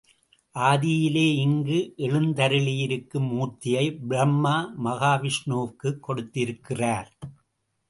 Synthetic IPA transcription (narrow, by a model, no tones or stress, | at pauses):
ʔaːðɪjɪleːɪŋɡɯʔɛɭɯnd̪ɐɾɯɭɪjɪɾɯkːɯmːuːt̪ːɪjɐɪbɪɾɐmːaːmɐɣaːʋɪʂɳoːʋkɯkːɔɽɯt̪ːɪɾɯkːɪraːɾ